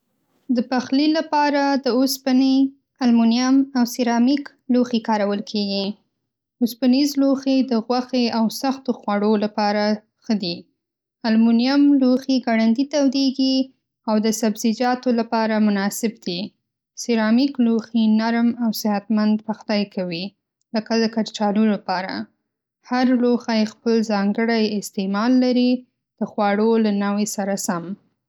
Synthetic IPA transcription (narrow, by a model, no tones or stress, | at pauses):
d̪əpaxlilapɑɾad̪əospani | almunijamawsiɾɑmik | loxikɑɾawəlkʰeɡi | ospanizloxed̪əɣwaxeawsaxt̪oxwaɽolapɑɾa | xəd̪i | almunijamloxeɡaɽand̪it̪awd̪eɡi | awd̪əsabzɪd͡ʒɑt̪olapɑɾamʊnɑsɪbd̪i | seɾɑmikluxinaɾmawsɪhat̪mand̪paxd̪ajkʰawi | ləkad̪əkaɾt͡ʃɑlulapɑɾa̰ | haɾloxajxpəlzɑŋɡəɽajɪst̪emɑlːaɾi | d̪̥əxwɑɽolanawesaɾasam